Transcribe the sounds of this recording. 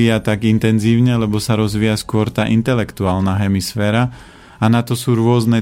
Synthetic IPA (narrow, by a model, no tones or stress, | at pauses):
iːjat̪aɡint̪ɛnziːʊɲɛlɛbɔsaɾɔzʋiːjaskʊɔɾt̪aːʔint̪ɛlɛkt̪uaːlnaɦɛmisfɛːɾa | anat̪ɔsuːɾʊɔznɛ